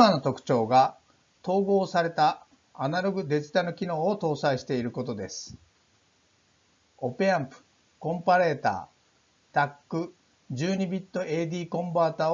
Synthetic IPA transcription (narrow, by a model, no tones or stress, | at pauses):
ano̞t̪o̞kɯ̟̥t͡ɕo̞ːɡa | t̪o̞ːɡo̞ːsaɾe̞t̪aː | naɾo̞ɡɯ̟d̪e̞d͡ʑɨ̥t̪ano̞kʲino̞ːot̪o̞ːsaiɕi̥t̪e̞iɾɯ̟ko̞t̪o̞d̪e̞sɨ̥ | o̞peãmpɯ̟̥ | kõ̞mpaɾe̞ːt̪a̰ː | t̪akːɯ̟ | d͡ʑɨːɲ̟ibʲit̪ːo̞ʔe̞ːd̪ʲiːkõ̞mbaːt̪aː